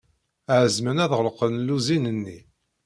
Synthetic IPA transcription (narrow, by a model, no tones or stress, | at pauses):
ʕəzmənæðʁəlqənluzinənːi